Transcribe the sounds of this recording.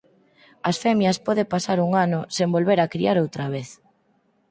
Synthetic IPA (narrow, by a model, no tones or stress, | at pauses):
ɐsfɛmjɐspɔðepasaɾuŋanʊsembolβeɾakɾḭaɾowt̪ɾaβ̞eθ